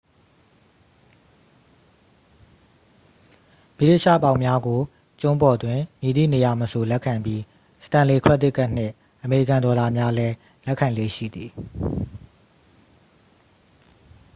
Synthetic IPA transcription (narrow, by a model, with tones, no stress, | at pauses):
mi˦˨le˦˨ʃa̰˦˨pã˨ʊ̃mja˦ɡo˨ | t͡ɕʊ̃˦mpɔ˨dwɪ̃˨mji˨d̪ḭ˦˨ne˨ja˨məso˨lɛ˦ʔkʰːã˨mbji˦ | sə̥tã˨le˨kʰw̥ɛ˦t̪ɪ˦kʰːa˦ʔn̥ɪ̰̃˦˨ | ʔəme˨i˦˨kã˨ndɔ˨la˨mja˦lɛ˦ | lɛ˦kʰã˨lḛ˦˨ʃḭ˦˨d̪ði˨